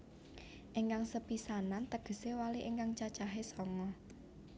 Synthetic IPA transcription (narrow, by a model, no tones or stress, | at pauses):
ʔeŋkaŋsəpisanant̪əɡ̥ə̤sewaliʔeŋkaŋt͡ʃat͡ʃaɦesɔŋɔ